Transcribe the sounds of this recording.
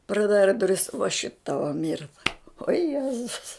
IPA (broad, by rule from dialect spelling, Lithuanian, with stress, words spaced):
prɐˈdɑːrɐ dʊˈrʲɪs ʋɐ ʃʲɪt ˈtɑːʋɐ ˈmʲɪrtɐ oː ˈjæːzʊs